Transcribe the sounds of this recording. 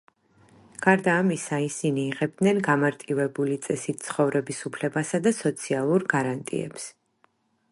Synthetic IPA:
ɡ̥aɾd̪aːmisaisiniːʁɛb̚d̪nɛnɡamaɾt̪ʼivɛbulit̪sʼɛsit̪̚ʰt̪sʰχɔvɾɛbisupʰlɛbasad̪asɔt̪sʰialˠuɾɡaɾant̪ʼḭɛ̰ps

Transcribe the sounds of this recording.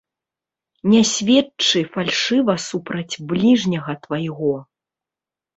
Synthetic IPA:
nʲasʲvʲɛt͡ʂɨfalʲʂɨvɐsupɾɐd͡zʲblʲiʐnʲɐɣɐt̪vɐjɣɔ

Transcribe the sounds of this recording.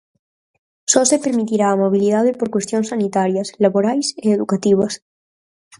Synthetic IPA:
sosepeɾmit̪iɾaːmoβ̞iliðað̞epoɾkwest̪joŋsanit̪aɾjaslaβoɾajseeðukat̪iβ̞ɐs

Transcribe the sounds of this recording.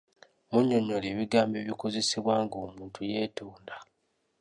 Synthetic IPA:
muɲːoɲːoleːβiɡaːmbeːβikoze̞siβwaːŋɡo̞ːmuːntʰujeːtoːnda

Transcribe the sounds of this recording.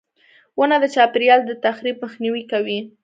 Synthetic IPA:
wənad̪ət͡ʃɑpɪɾjɑld̪ət̪axɾib̚məxniwikawi

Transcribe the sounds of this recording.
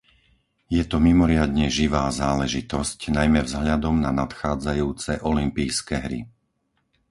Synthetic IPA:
jɛt̪ɔmimɔɾɪad̪ɲɛʒiʋaːzaːlɛʒit̪ɔscnajmɛvzɦʎad̪ɔmnanat̪xaːd͡zajuːt͡sɛʔɔlimpijskɛɦɾḭ

